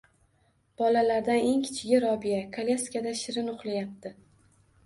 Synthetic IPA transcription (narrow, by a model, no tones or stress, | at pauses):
b̥ɒlalaɾd̪ane̞ŋkʲʰɪ̥t͡ʃʰɪɡʲɪɾɒbijakʰalʲeskʲad̪aʃɪɾɪnʊχlˠajap̚t̪ʰɪ